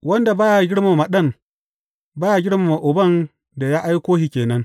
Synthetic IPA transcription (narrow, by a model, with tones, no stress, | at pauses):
wɐ˦nda˨baː˦ja˨ɡʲɪ˦ɽma˨ma˨ɗɐ˦˨m | baː˦ja˨ɡʲɪ˦ɽma˨ma˨ʔʊ˨bɐ˦n | da˨ja˦ʔa˦jkʷoː˦hiː˨kʲeː˨nɐ˦ŋ